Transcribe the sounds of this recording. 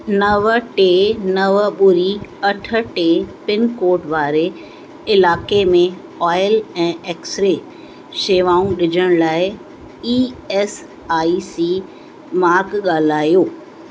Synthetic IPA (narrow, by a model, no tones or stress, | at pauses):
nɐʋəʈeːnɐʋɓʊɾiɐʈʰə̆ʈeːpɪnkoːɾʈʋaːɾe | ɪlaːkemẽ | aːɪlɛ̃ːeːksɾe | ʃeːʋaːũɗɪd͡ʑʱəɽ̃laːɪ | iːɛːs | aːisiː | maːɾkɠaːl̤aːjoː